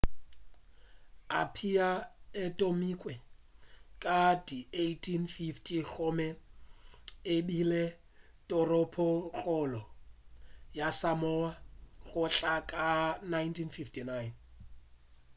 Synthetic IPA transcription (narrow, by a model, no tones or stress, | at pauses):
a̰pʰiaɪtʼomikʼwɛ | kʼadiejtʰinfiftʰiɣɔmɛ | ebile | tʼɔrɔpʰɔɣʼɔlɔ | jasamɔaɣʊɬakʼanajntʰinfiftʰinajn